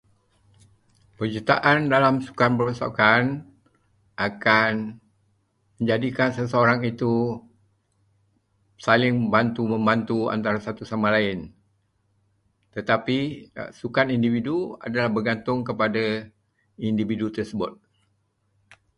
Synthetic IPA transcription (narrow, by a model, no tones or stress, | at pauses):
pərd͡ʒut̪aʔandalamsu̥kanpəɾosa̰kan | ʔakan | mə̃ɲd͡ʒadikansəsəoɾaŋit̪u | salɪŋbant̪umə̃mbant̪ua̰nt̪aɾasat̪usamãlaɪn | t̪ət̪apisukanindividua̰dalahbərɡant̪ʊŋkəpada | individut̪ərsəbʊ̰t̪̚